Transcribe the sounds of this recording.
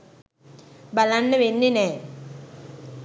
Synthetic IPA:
bɐlanːəʋenːine

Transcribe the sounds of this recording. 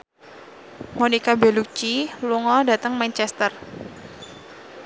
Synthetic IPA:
monikabeluk̚t͡ʃiluŋɔdat̪əŋmant͡ʃɛst̪ər

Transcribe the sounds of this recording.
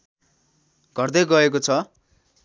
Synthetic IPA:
ɡ̥ʱʌrd̪ʌjɡʌek̬ot͡sʰʌ

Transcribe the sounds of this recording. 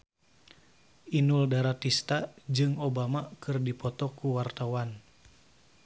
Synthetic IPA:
ʔinuldaɾat̪ist̪ad͡ʒɨŋobamakɨrdipɔt̪ɔkuwart̪awan

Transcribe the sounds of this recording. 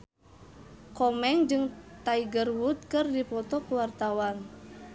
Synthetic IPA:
kɔmɛŋd͡ʒɨŋt̪aiɡərwut̪̚kɨrdipɔt̪ɔkuwart̪awan

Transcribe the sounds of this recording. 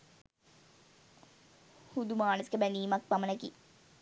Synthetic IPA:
hud̪umaːnəskebɛniːmɐk̚pɐmənɐki

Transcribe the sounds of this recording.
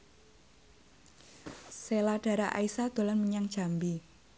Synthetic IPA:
selaɖ̥a̤ɾaʔa̰isad̪̥o̤lanməɲaŋ̥ʒ̥a̤mbi

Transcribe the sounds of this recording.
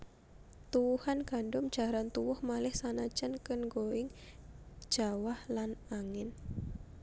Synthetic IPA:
t̪uwuhanɡ̥a̤ndʊmd̥d͡ʒ̥a̤ɾant̪uwʊhmalɪhsanḁd͡ʒ̥ənkənɡoɪŋ̥ | d͡ʒ̥awahlanaŋɪn

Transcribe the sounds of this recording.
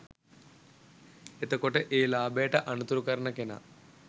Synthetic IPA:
et̪ɐkːoʈeʔeːlaːbeːʈɐʔɐɳut̪uɾukɐɾɐɳɐkenɐ̰

